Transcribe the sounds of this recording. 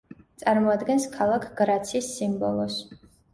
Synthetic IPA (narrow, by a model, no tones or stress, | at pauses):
t̪sʼaɾmɔad̪ɡɛnskʰalˠakʰɡɾat̪sʰiːsːimbɔlˠɔs